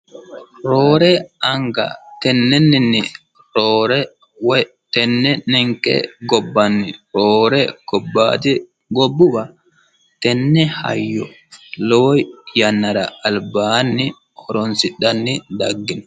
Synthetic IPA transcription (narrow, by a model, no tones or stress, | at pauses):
ɾoːɾɛɐŋɡɐ̰t̪ɛnːɛnːɪnːɪ | ɾoːɾɛ | wɔj | t̪ɛnːɛnɛŋkːɛ̰ɡɔbːɐnːɪɾoːɾɛɡ̥ɔbːa̰ːd̪ɪ | ɡɔbːʊbɐ | t̪ɛnːɛhɐ̰jːɔ | loːjjɐnːɐɾɐ̰ːlbaːnːɪ | hɔɾɔnsɪɗɐnːɪd̪ɐɡːɪn